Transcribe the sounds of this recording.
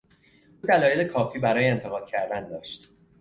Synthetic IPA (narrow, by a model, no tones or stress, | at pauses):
ʔuːd̪ælɒːjelekʰɒːfiːbæɾɒːjeent̪ʰe̞ɣɒːd̪̥̚cʰæɾd̪ænd̪ɒːʃt̪